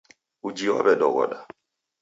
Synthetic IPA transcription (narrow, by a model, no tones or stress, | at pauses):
ud͡ʒiwa̰ɓɛɗɔɡɔ̰ɗa